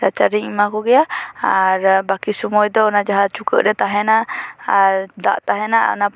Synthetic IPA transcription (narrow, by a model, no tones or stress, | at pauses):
ɾat͡ʃaɾiŋimakuɡɛaaɾbakisumɔjd̪ɔnad͡ʒaɦat̪̚t͡ʃukəʔdɛt̪aɦɛnaʔad̪a̰ʔt̪aɦɛnaʔna